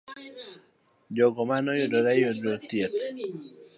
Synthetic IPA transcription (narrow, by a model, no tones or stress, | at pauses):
d͡ʒɔɡɔmanɔjodoɾajodot̪jet̪